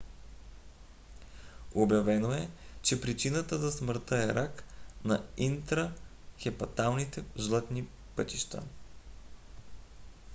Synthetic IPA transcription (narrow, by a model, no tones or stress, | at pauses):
objɐvɛnoɛt͡ʃɛpɾit͡ʃinət̪əzɐsməɾt̪əɛɾaknɐint̪ɾə | xɛpɐt̪alˠnit̪ɛʒlˠɤt̪ni | pɤt̪iʃt̪a̰